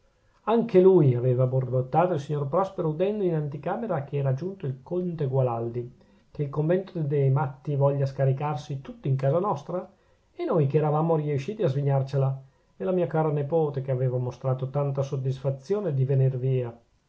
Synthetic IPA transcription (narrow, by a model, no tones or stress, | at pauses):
aŋkelujaveːvabord̪ot̪ːaːt̪oilsiɲːorpɾɔspeɾoud̪ɛnd̪oinant̪ikaːmeɾak̟eɛːɾad͡ʒunt̪oilkont̪eɡwalald̪i | keilkoɱvɛnt̪od̪ejmat̪ːivɔʎːaskaɾikarsit̪ut̪ːiːŋkaːzanɔst̪ɾa | enojkeɛːɾavaːmoɾiuʃːiːt̪iazviɲːart͡ʃela | elamiːakaːɾanepoːt̪ekeaveːvamost̪ɾaːt̪ot̪ant̪asod̪ːisfat̪sːjoːned̪ivenirviːa